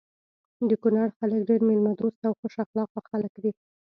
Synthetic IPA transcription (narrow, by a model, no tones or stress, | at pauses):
d̪əkunaɽxalək̚ɖeɾmelmad̪ost̪awxoʃaxlɑq̚waxaləkd̪i